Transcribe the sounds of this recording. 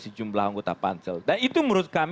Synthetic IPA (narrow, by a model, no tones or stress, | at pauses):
səd͡ʒumblaɦaŋɡot̪apa̰nsəldanit̪uməɾʊt̪̚kam